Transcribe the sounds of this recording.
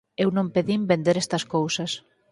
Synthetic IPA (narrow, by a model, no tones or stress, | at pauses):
ewnõmpeðimbend̪eɾest̪ɐskowsɐs